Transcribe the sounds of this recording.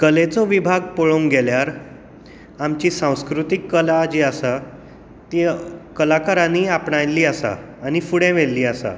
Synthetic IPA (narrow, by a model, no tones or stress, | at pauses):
kəlet͡sɔʋibʱaɡpoɭoŋɡɛljaɾ | amt͡ɕiːsãw̃skɾut̪ikːəlad͡ʑeasa | t̪ikəlakaɾãniːapɳajlːiːasa̰ː | nifuɽɛ̃ʋelːiːasa̰